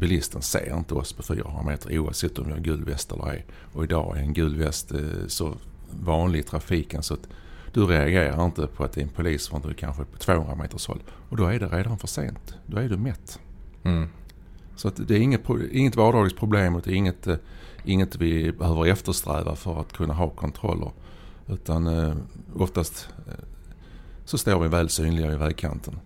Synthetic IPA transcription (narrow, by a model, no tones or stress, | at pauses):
bɪlɪst̪ənsḛːɾɪ̰nt̪əɔspʰɔfy̰ːɾahɵnɾameːt̪ʰəɾuːa̰vsɛt̪ːɔmvɪhaɾɡʉ̟ːlvɛst̪ɛ̰lːəɾæ̰ɾ | ɔɪd̪ɑ̰ːæ̰ɾɛnɡʉ̟ːlvɛst̪sɔvɑːnlɪɡt̪ʰɾafiːkənsɔat̪d̪̥ɵɾɛaɡeːɾaɾɪnt̪əpʰɔat̪̚d̪ɛɛnpʰʊliːsfɪnɵɛkʰa̰nɧəpʰɔ̥t̪ʰvoːɵnɾa̰mḛːt̪əʂhɔ̰lː | ɔd̪ɔæɖɛɾeːd̪anfœʂḛːnt̪d̪ɔæɖɵmɛt̪ː | sɔat̪d̪ɛæɾɪŋːət̪̚pʰʊɪŋːət̪vɑːɖɑːɡəst̪pʰɾʊbleːmɔd̪ɛɪŋːət̪ʔɪŋːət̪vɪbɛhøːvəɾɛft̪əʂt̪ɾɛ̰ːva̰fœɾat̪kʰɵnːaɦɑːkʰɔnt̪ʰɾɔ̰lːə̰ɾ | ʉ̟ːt̪an | ɔft̪ast̪ | sɔst̪oːɾvɪvæːlsyːnlɪɡaɪvæːɡkʰa̰nt̪ʰən